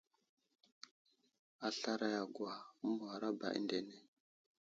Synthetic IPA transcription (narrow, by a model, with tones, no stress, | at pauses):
a˨ɬa˦ɾa˦ja˨ɡwa˨u˦mu˨wa˨ɾa˦ba̰˨ʔḭ˦nde˨ne˦